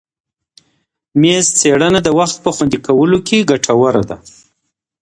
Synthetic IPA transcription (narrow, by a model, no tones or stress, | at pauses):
mezt͡seɽənad̪əwaxt̪̚pəxwand̪ikawəlokʰeɡaʈʰawəɾad̪a̰